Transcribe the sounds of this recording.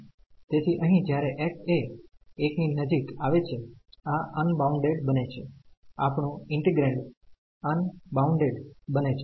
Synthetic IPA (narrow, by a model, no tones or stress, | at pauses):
t̪et̪ʰiʔəɦĩd͡ʒjaɾeʔɛʈeekninəd͡ʒikaʋet͡ʃʰeaʔənbauɳɖeɖbənet͡ʃʰea̰pɳũɪɳʈiɡɾẽɳʈ | ənbauɳɖeɽbənet͡ʃʰe